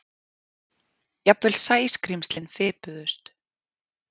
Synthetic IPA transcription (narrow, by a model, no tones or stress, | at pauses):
japvɪlsaːjskɾimst̪lɪnfɪpʏðʏst̪